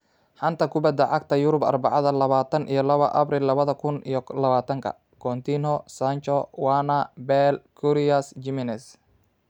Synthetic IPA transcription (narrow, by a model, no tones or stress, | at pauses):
ħɑnt̪ʰɐkʰʊbɐd̪ɐʕɑɡ̚t̪ʰɐjʊɾʊbɐ̰rbɑ̰ʕɑðɐlɐβaːt̪ʰɐnʔḭjɔlɐβɐ̰ʔɐ̰brilːɐβɐðɐkʰʊnijɔlɐβaːt̪ʰɐŋkʰɐ̰ | kʰɔnt̪ʰinɔsant͡ʃɔwanɐbɛlkʰuɾiɐsd͡ʒɪmɪnɛs